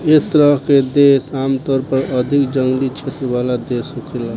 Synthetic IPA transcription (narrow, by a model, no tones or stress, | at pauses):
et̪ɾəɦked̪esaːmt̪ɔːɾpəɾəd̪ʱikd͡ʒəŋɡlit͡ʃʰet̪ɾəʋaːlad̪eːsukʰela